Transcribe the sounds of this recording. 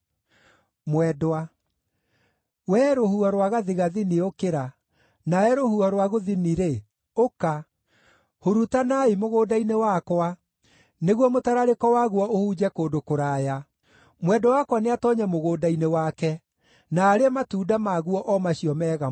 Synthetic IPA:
mwɛdoa | wɛːɾohuɔɾwaɣaðiɣaðineokeɾa | naɛɾohuɔɾwaɣoðiniɾe | oka | hoɾutanaimoɣoːdainewakwa | neɣwɔmotaɾaɾekɔwaɣuɔʔohud͡ʑɛkoːdokoɾaːja | mwɛdɔwakwaneatɔɲɛmoɣoːdainewakɛ | naːɾeɛmatudamaɣuɔʔɔmaɕiɔmɛːɣa

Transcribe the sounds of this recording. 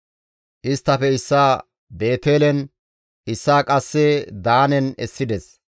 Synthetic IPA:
ʔɪst̪ːɐfɛɪsːaː | be̞ːt̪eːlɛn | ɪsːaːkʼɐsːɛd̪aːnɛnɛ̰sːɪd̪ɛs

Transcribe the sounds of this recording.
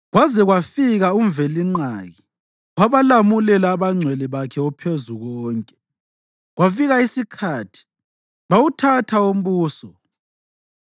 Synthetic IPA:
ɣwazɛɣwafiɣauɱvɛliŋ͡ǀaːɣi | ɣwaβalamulɛlaːβaŋ͡ǀʱwɛliβakʰɛɔpʰezuɣɔːŋkʼɛ̥ | ɣwafiɣaisikʰaːtʰi̥ | βawutʰatʰaom̩βuːsɔ

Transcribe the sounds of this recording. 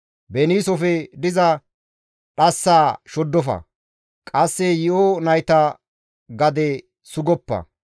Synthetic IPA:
bɛniːsɔfɛd̪ɪzɐ | ɗɐsːaːʃɔd̪ːɔfɐ̰ | kʼɐsːɛjɪʔonɐjt̪ɐ | ɡɐd̪ɛ | sʊɡɔpːɐ̰

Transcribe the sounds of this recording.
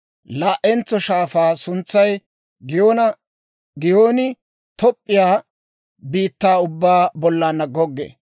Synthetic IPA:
laːʔɛnt͡sːɔʃaːfaːsʊnt͡sːɐj | ɡɪjoːnɐ | ɡɪjoːnɪ | t̪ɔpʼːɪjaː | biːt̪ːaːʊbːaːbɔlːaːnːɐɡɔɡːḛː

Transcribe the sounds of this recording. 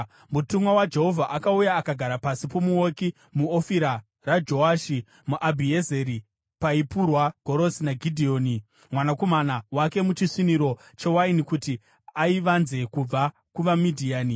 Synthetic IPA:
mutumwawad͡ʒe̞ɦo̞vʱaʔakaujaːkaɡʱaɾapasipo̞muoki | muofiɾa | rad͡ʒo̞aːʃi | muʔabʱieze̞ɾi | paipurwaɡ̥ʱo̞ɾo̞sinaɡʱidʱio̞ːni | mwanakomanawake̞mut͡ʃisiniɾo̞t͡ʃe̞wainikuti | aiʋanze̞kub͡va | kuʋamidʱiaːni

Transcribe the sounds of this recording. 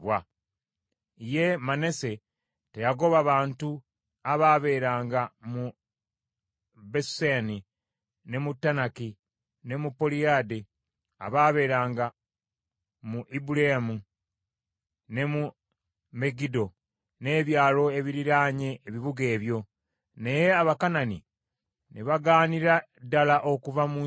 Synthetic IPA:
βwa | ije̞mane̞se̞ | tejaɡo̞βaβaːntu | aβaːβe̞ːɾaːŋɡamu | beseni | ne̞mutːanaki | ne̞mupːoliade | a̰βaːβe̞ːɾaːŋɡa | muʔibuleamu | ne̞mu | me̞ɡido̞ | ne̞ːβjaːlo̞e̞βiɾiɾaːɲe̞ːβiβuɡe̞ːβjo̞ | ne̞je̞aβakanani | neβaɡaːniɾa | dːalaʔo̞kuvamu

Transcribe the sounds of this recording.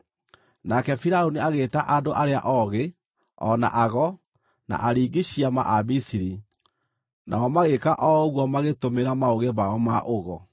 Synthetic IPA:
nakɛfiɾaoniaɣeːtaʔadoʔaɾea̰ʔɔɣe | ɔ̰na̰ʔaɣɔ | na̰ʔaɾiːɡiɕiama̰ʔabisiɾi | na̰ɔmaɣekaʔɔɣwɔmaɣetomeɾamaoɣeβaɔmaʔoɣɔ

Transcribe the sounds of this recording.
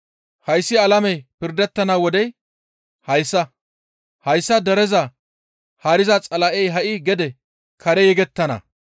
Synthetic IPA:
hɐjsːɪɐlɐmɛjpɪɾd̪ɛt̪ːɐnawɔd̪ɛj | hɐjsːɐ | hɐjsːɐd̪ɛɾɛzɐ | hɐːɾɪzɐt͡sʼɐlɐʔɛjɦɐʔɪɡɛd̪ɛ | kʰɐɾɛjɛɡɛt̪ːɐnɐ̰

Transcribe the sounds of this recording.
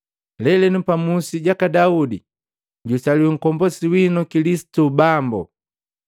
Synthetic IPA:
lɛlɛnupamusiɟakadaudi | ɟusaliwɛŋ̩kɔmbɔsiwinɔkilisi̥tubambɔ̰

